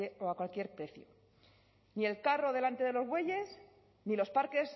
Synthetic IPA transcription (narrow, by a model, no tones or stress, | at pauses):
eoakwalkje̞ɾpɾe̞θjo̰ | nie̞lkaro̞ðe̞lant̪e̞ðe̞lo̞zɣwe̞ʝe̞s | nilo̞spaɾke̞s